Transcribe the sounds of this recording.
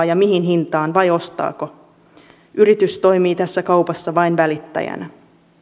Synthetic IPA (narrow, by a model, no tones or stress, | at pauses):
jɑmiɦinɦint̪ɑːnʋɑjo̞st̪ɑ̰ːko̞ | yɾit̪yst̪o̞jmiːt̪æsːækɑwpɑsːɑʋɑjnʋælit̪ːæ̰jæ̰næ